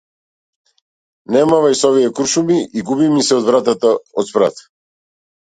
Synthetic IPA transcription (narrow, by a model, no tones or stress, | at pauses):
nɛmavajsɔvijɛkɾuʃumiiɡubimisɛɔd̪vɾat̪at̪aɔt̪spɾa̰t̪